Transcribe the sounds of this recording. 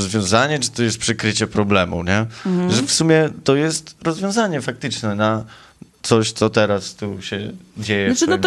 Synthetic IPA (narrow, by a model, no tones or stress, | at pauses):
ɔzvʲjɔ̃w̃zaɲɛt͡ʂɨ̥t̪ɔjɛst̪̚pʂɨkɾɘt͡ɕɛpɾɔblɛmṵɲɛʐɛfsumʲjɛt̪ɔjɛst̪ɾɔzvʲjɔ̃w̃zaɲɛfak̚t̪ɘt͡ʂnɛna | t̪sɔɕt̪sɔt̪ɛɾast̪uɕɛd͡ʑejɛ